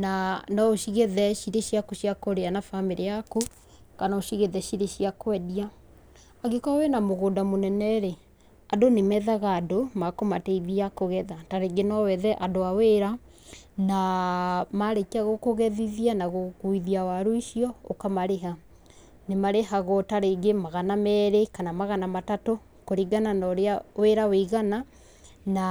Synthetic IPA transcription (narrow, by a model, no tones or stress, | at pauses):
nanɔoʃiɣeðɛʃiɾeʃijakoʃijakoɾeanafameɾeako | kanaoʃiɣeðɛʃiɾeʃijakwɛdia | aɣekawenamoɣodamonɛnɛɾe | adonemɛðaɣaːdomakomateiðiakoɣɛðataɾeɡenɔwɛðɛʔadoaweɾa | na | maɾekaɣokoɣɛðiðianaɣokuiðiawaɾoiʃiɔokamaɾeɦa | nemaɾeɦaɣotaɾeːɡemaɣanamɛɾekanamaɣanamatato | koɾiɡananaoɾeaweɾaweɣana | na